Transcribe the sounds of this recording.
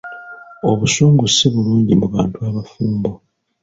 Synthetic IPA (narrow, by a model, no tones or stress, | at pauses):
o̞βusuːŋɡusːeβuluːɲɟimuβaːntuaβafuːmbo